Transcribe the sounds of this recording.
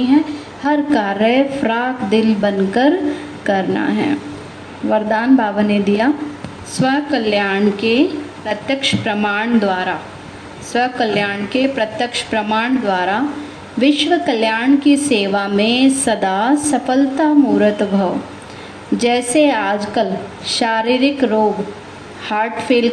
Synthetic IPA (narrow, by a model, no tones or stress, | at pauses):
iɦɛ̃ | hɐɾkaːɾəfʰɾaːkd̪ɪlbɐnkəɾ | kɐɾna̰ɦɛ̰ː | ʋɐɾd̪aːnbʱaːʋəned̪ija | sʋɐɦkɐljaːɳkepɾɐt̪jəkʃpɾɐmaːɳ̃d̪ʋaːɾa | sʋɐɦkɐljaːɳkepɾɐt̪jəkʃpɾɐmaːɳ̃d̪waːɾa | ʋɪʃʋəkɐljaːɳkiseːʋamẽsɐd̪asɐfəlt̪amuːɾət̪bʱɐʋ | d͡ʒɛːseaːd͡ʒkəl | ʃaːɾiːɾɪkɾoːɡ | haːɾʈfeːl